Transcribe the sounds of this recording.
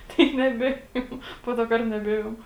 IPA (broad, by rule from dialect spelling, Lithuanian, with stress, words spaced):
ˈtɐɪ nʲɛˈbʲeːjoːm ˈpoː toː ˈkɐrt nʲɛˈbʲeːjoːm